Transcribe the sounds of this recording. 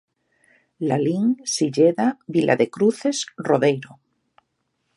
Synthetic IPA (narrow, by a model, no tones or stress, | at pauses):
laliŋsiʎeðaβilʔa̰ðekɾuθe̞sroðejɾo